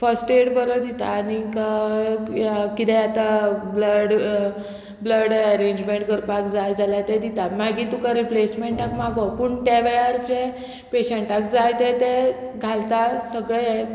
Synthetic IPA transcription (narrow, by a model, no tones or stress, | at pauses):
fəsʈeɽbəɾəd̪it̪a̰ːni | kit̪ɛat̪abləɽ | bləɽəɾẽɲd͡ʑmẽɳʈ̚ɡəɾpakd͡zajd͡zalat̪ed̪it̪amaɡit̪ukaɾiplesmeɳʈakmaɡopuɳt̪aʋeɭaɾt͡ɕe | peɕeɳʈakd͡zajt̪et̪e | ɡʱalt̪asəɡɭee